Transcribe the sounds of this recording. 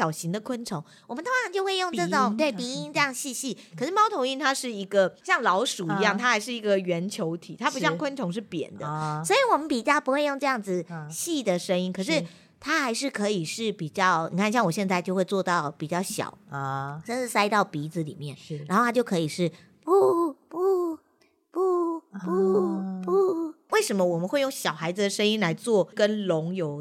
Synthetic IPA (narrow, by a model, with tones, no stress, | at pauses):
jɑ˨˩ʊɕi˧˥ŋd̪ə˨kʰwə˥nʈ͡ʂʰo˧˥ŋ | wɔ˨˩mə˦nt̪ʰʊ˥ʂʰɑ˨˩ŋt͡ɕjo˥˧ʊxwe˥˧ɪjo˥˧ŋʈ͡ʂɤ˥˩ʈ͡ʂʊ˨˩˦ŋt̪we˥˩ɪpi˧˥i˥nʈ͡ʂɤ˥˧jɑ˥˩ŋ˧ɕi˥˧ɕi˥˩kʰɤ˨˩ʂɻ̩˥˩mɑ˥ʊt̪ʰo˧˥ŋi˥˧nt̪ʰa˥ʂɻ̩˥˩i˧˥ɡə˧ɕjɑ˥˩ŋlɑ˧˥ʊʂu˨˩i˧˦jɑ˥˩ŋt̪ʰa˥xa˧˥ɪʂɻ̩˥˩i˧˥ɡə˨ɥɛ˧˥nt͡ɕʰjo˧˥ʊt̪ʰḭ˨˩t̪ʰa˥pu˧˥ɕjɑ˥˧ŋkʰwə˥nʈ͡ʂʰʊ˧˥ŋʂ̬ɻ̩˥˩pjɛ̰˨˩nd̪ə̰˦swɔ˧˥i˨˩wɔ˨˩mə˦npi˨˩t͡ɕjɑ˥˩ʊpu˧˥xwe˥˧ɪjŋʈ͡ʂɤ˥˧jɑ˥˩ŋd͡zɹ̩˨ɕi˥˩d̪ə˩ʂə˥ŋi˥nkʰɤ˨˩ʂ̬ɻ̩˥˩ | t̪ʰa˥xa˧˥ɪʂɻ̩˥˩kʰɤ˧˥i˨˩ʂɻ̩˥˩pi˨˩t͡ɕjɑ˥˩ʊni˨˩kʰa˥˧nɕjɑ˥˩ŋwɔ˨˩ɕjɛ˥˧nt͡sa˥˧ɪt͡ɕjo˥˧ʊxwe˥˧ɪt͡swɔ˥˧t̪ɑ˥˩ʊpi˨˩t͡ɕjɑ˥˩ʊɕjɑ̰˨˩˦ʊʂə˥˧nʈ͡ʂɻ̩˥˩sa˥ɪt̪ɑ˥˩ʊpi˧˥d͡z̩˧li˨˩mjɛ˥˩nɻa˧˥xo˥˩a˥t͡ɕo˥˩kʰɤ˧˥i˨˩ʂɻ̩˥˩ | pu˥˩pu˥ | pu˥˩pu˥pu˥˩we˥˩ɪʂə˧˥nmə˦˧wɔ˨˩mə˨nxwe˥˧jʊ˥˩ŋɕjɑ˨˩ʊxa˧˥ɪd͡z̩˨d̪ə˩ʂə˥ŋi˥nla˧˥ɪt͡swɔ˥˩kə˦nlʊ˧˥ŋjo˧˩˦ʊ